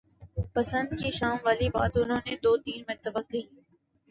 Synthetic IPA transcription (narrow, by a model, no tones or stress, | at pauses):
pɐsə̃nd̪kiʃaːmʋaːliba̰ːd̪ʊnɦõːned̪oːt̪iːnmẽt̪ɐbəkːɐi